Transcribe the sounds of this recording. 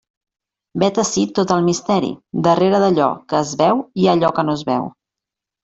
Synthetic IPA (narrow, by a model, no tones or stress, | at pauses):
bɛt̪əsit̪ːot̪əlˠmist̪ɛɾḭd̪əreɾəðəʎɔ̰kəːzβɛwiəʎɔkənoəzβɛ̰w